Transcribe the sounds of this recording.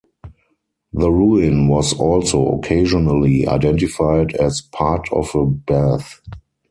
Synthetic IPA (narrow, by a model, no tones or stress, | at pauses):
ðəɹuɪ̃nwɔzɔlsoʊɔ̰kʰeɪʒɔnəlia̰ɪdɛ̃ntɪfaɪdɛzpʰatʰɔ̰fəbæθ